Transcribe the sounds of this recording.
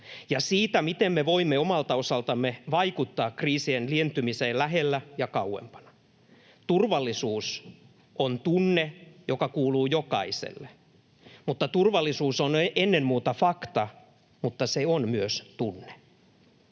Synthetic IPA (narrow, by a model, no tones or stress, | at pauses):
jɑsiːt̪æmit̪emmeʋoimːeomɑlt̪ɑosɑlt̪ɑmːeʋɑikut̪ːɑːkriːsienlient̪ymiseːlæɦelːæjɑkɑuwḛmpɑ̥nɑ̥ | t̪urʋɑlːisuːs | ʔont̪unːejokɑkuːluːjokɑisḛlːe | mut̪ːɑt̪urʋɑlːisuːsonʔenːemmuːt̪ɑfɑkt̪ɑ | mut̪ːɑseonmyøst̪unːe̥